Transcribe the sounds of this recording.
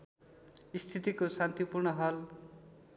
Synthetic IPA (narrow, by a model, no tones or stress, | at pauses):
ist̪ʰit̪ikosant̪ipurɳʌɦʌl